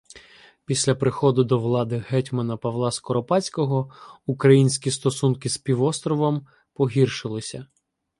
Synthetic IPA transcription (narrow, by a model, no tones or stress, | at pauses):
pʲisʲlʲɐpɾɪxɔd̪ʊd̪ɔʋlˠɑd̪ɪɦɛtʲmɐnɐpɐʋlˠɑskɔɾɔpɑt͡sʲkɔɦɔukɾɐjinʲsʲkʲist̪ɔsunkɪspʲiʋɔst̪ɾɔʋɔm | pɔɦʲirʃɪlˠɪsʲɐ